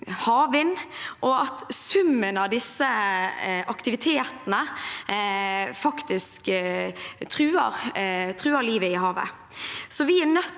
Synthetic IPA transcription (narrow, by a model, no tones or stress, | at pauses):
hɑːʋɪnʔɔɑt̪sʉmːənɑʋd̪ɪsːə | ʔɑkt̪ɪʋɪt̪ʰeːt̪ənə | fɑkt̪ɪsk | t̪ʰɾʉːəɾt̪ʰʁʉːəliːʋəɪɦɑːʋə̰ | sɔʋɪænœ